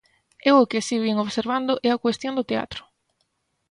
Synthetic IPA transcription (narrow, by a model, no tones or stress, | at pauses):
ewʊkɪsiβiŋoβseɾβand̪ʊʔɛakwest̪jõnd̪ʊt̪ea̰t̪ɾʊ̥